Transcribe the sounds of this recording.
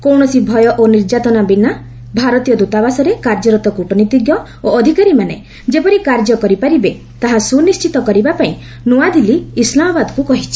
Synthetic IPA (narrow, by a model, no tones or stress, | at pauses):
kowɳ̃ɔsibʱɔjɔʔoniɾd͡ʒat̪ɔnabina | bʱaɾɔt̪ijɔd̪ut̪abasɔɾekaɾd͡ʒɔɾɔt̪ɔkuʈɔnit̪iɡjɔ | oɔd̪ʱikaɾimanḛ | d͡ʒepɔɾikaɾd͡ʒɔkɔɾipaɾibe | t̪aɦasunist͡ʃit̪ɔkɔɾibapaĩ | nuad̪iliislamɔbad̪ɔkukɔɦit͡ʃʰi̥